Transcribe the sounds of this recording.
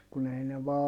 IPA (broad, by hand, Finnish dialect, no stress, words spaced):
kun ei ne ʋɑː